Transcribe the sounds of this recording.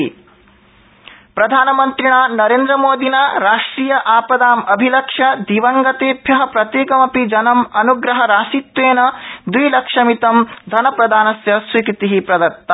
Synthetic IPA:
pɾɐd̪ʱaːnɐmɐnt̪ɾiɳaːnɐɾeːnd̪ɾɐmoːd̪inaːɾaːʂʈɾiːjɐʔaːpɐd̪aːmɐbʱilɐkʂɐd̪iʋɐŋɡɐt̪eːbʱjɐɦɐpɾɐt̪jeːkɐmɐpid͡ʒɐnɐmɐnuɡɾɐɦɐɾaːsit̪weːnɐd̪ujlɐkʂɐmit̪ɐmd̪ʱɐnɐpɾɐd̪ʱaːnɐsjɐsʋikɾit̪iɦipɾɐd̪ɐɾt̪ːɐ

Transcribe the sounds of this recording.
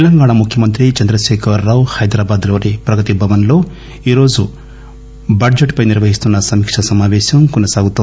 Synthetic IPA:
t̪lɐŋɡaːɳɐmukʰjɐmɐnt̪ɾit͡ʃɐnd̪ɾɐʃeːkʰɐɾːaːwhɐjd̪ɾaːbaːd̪lo̞ːɾepɾɐɡɐt̪ibʱɐʋɐnlo̞ː | iːɾo̞ːd͡ʒu | bɐɖd͡ʒeʈpɐjniɾʋɐɦist̪unːɐsɐmikʂɐsɐmaːʋɛːʃɐmkɔnɐsaːɡut̪u

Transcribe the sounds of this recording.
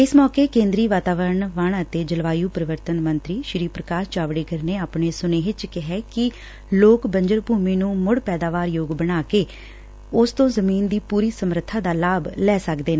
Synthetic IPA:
ɪsmɔːkeːkẽːnd̪ɾiːʋaːt̪aːʋəɾəɳʋaːɳət̪eːd͡ʒəlʋaːjuːpəɾɪʋəɾt̪ənmənt̪ɾiːʃɾiːpɾəkaːɾt͡ʃaːʋɽeːɡəɾneːaːpɳeːsʊneːɪt͡ʃkɪɦɛːkɪ | loːkbəɲd͡ʒəɾbʱuːmiːnũːmʊɽpɛːd̪aːʋaːɾjoːɡbəɽaːkeː | ʊst̪õːzəmiːnd̪iːpuːɾiːsəmɾət̪ʰːaːd̪aːlaːblɛːsəkd̪eːnː

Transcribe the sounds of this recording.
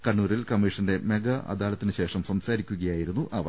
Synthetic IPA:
kɐɳːuːɾilkɐmːiʂɐnde̞me̞ɡɐɐ̰d̪aːlɐt̪ːinɨɕe̞ːʂɐmsɐmsaːɾikʲːuɣɐjaːjiɾunːuʔɐʋɐ

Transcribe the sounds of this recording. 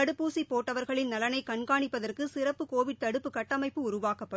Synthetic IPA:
ɐɽɯpːuːsipːoːʈːɐʋɐɾɣɐɭɪnnɐlɐnɐɪkɐɳɡaːɳɪpːɐðɐrkɯsɪrɐpːɯkoːʋɪɖ̚t̪ɐɽɯpːɯkɐʈːɐmɐɪpːɯʊɾʊʋaːkɐpːɐ

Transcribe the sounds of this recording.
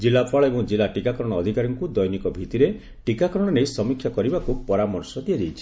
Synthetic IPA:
d͡ʒilapʰaɭɔebɔŋd͡ʒilaʈikakɔɾɔɽ̃ɔːd̪ʱikaɾɔŋkud̪ɔjnikɔbʱit̪iɾe | ʈikakɔɾɔɽ̃ɔɾesɔmikʰjakɔɾibakupɔɾamɔɾsɔd̪ijad͡ʒejt͡ʃʰi̥

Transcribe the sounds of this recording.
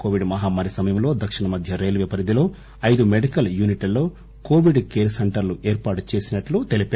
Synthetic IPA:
koːʋiɖmɐɦaːmɐːɾisɐmɐjɐmlo̞ːd̪ɐkʂiɳɐmɐd̪ʱjɐɾe̞ːlʋɛpɐɾid̪ilo̞ː | ɐjd̪umeɖikɐljuːniʈilːo̞ː | ko̞ːʋiɖkeːɾsɐɳʈɐɾluʔe̞ːɾpaːʈu̥t͡ʃe̞ːsinɐʈlut̪elipe

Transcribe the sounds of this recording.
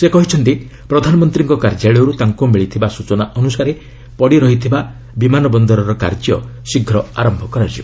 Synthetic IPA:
sekɔɦit͡ʃʰɔnt̪i | pɾɔd̪ʱanɔmɔnt̪ɾiŋkɔkaɾd͡ʒaɭɔɾut̪aŋkumeɭit̪ʰibasut͡ʃɔnaʔɔnusaɾe | pɔɽiɾɔɦit̪ʰiba | bimanɔbɔnd̪ɔɾɔɾɔka̰ɾd͡ʒjɔ̰siɡʱɾɔaɾɔmbʱɔkɔɾad͡ʒibɔ

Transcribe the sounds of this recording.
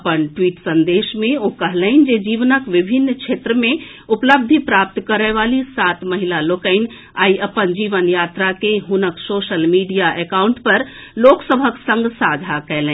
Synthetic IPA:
əpənʈwiːʈsə̃nd̪eːʃmẽokəɦləɪnd͡ʒed͡ʒiːʋnəkʋibʱinːt͡ʃʰeːt̪ɾəmẽ | upləb̚d̪ʱipɾaːp̚t̪kəɾəʋalisat̪məɦilaloːkəɪn | a̰ːiʔəpənd͡ʒiːʋənjaːt̪ɾakeɦunəksoːʃəlmiɖijaʔekaʊɳʈpəɾloːksəbʱəksə̃ŋɡsad͡ʒʱakɛːlɛ̃

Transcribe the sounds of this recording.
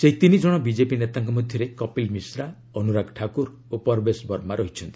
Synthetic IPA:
seɦit̪inid͡ʒɔɽ̃ɔbid͡ʒepinet̪aŋkɔmɔd̪ʱjɔɾekɔpilmisɾa | ɔnuɾaɡʈʰakuɾ | opɔɾbesbɔɾmaɾɔɦit͡ʃʰɔnt̪i

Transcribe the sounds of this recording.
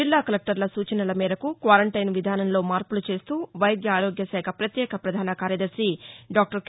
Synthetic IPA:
ilːaːkɐlek̚ʈɐɾlɐsuːt͡ʃɐnɐlɐmiːɾɐkukʋaːɾɐɳʈɐjnʋid̪ʱaːnɐnlo̞ːmaːɾpulut͡ʃe̞ːst̪uːʋɐjɡjɐːɾoːɡjɐsɛːkʰɐpɾɐt̪jɛːkʰɐpɾɐd̪ʱaːnɐkaːɾjɐd̪ɐɾsiɖaːk̚ʈɐɾk

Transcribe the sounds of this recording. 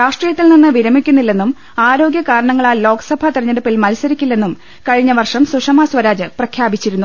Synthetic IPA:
ɾaːʂʈrijɐt̪ːilninːɨʋiɾɐmikʲːunːilːe̞nːum | aːɾo̞ːɡjɐkaːɾɐɳɐŋːɐɭaːlo̞ːkɐsɐbʱɐt̪irɐɲːɐɽupːilmɐlsɐɾikʲːulːe̞nːum | kɐɻiɲːɐʋɐrʂɐmsuʂɐmasʋɐɾaːd͡ʑɨprɐkʰjaːbit͡ɕːiɾunːu

